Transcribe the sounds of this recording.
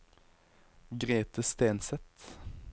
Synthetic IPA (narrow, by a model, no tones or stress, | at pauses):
ɡʁeːt̪əst̪eːnsɛt̪